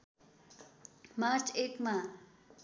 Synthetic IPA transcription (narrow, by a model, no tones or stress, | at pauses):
maɾt͡ʃekmã